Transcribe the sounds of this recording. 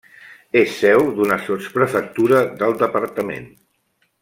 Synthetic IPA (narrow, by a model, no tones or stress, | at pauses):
esːɛwd̪unəsospɾəfək̚t̪uɾəðəlˠd̪əpərt̪əmḛn